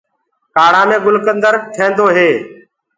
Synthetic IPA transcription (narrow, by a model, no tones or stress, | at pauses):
kaːɽ̤ãːmẽːɡʊlkənd̪əɾʈʰẽːnd̪oːɦeː